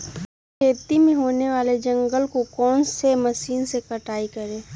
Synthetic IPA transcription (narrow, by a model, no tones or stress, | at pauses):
kʰeːt̪imẽɦoːneʋaːled͡ʒɐ̃ŋɡəlkokɔːnsemɐsiːnsekɐʈaːikɐɾẽː